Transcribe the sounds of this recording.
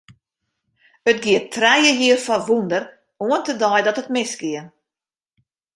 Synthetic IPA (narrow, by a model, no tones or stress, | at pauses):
ətɡiətʰrɛjəɦiərfɔʋundər | uəntədɔjdɔtətmɪsɡɪən